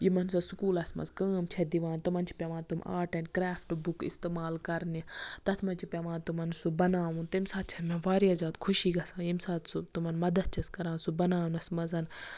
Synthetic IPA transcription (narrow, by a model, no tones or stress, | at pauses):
jimɐnsɐsukuːlɐsmɐ̰zkəːmt͡ʃʰed̪iʋãːnt̪umɐnt͡ʃʰi̥pʲeʋaːnt̪uma̰ːʈɐnkɾaːfʈbukḭst̪emaːlkɐɾnit̪ɐt̪ʰmɐnt͡ʃʰipʲeʋãːnt̪umɐnsubɐnaːʋũnt̪imsaːt̪̚t͡ʃʰɛt̪mẽʋaːɾjaːzaːt̪kʰuʃiːɡɐsãːjimsaːt̪sut̪umɐnmɐd̪ɐt̪̚t͡ʃʰɐskɐɾãːnsubɐnaːunɐsmɐzɐn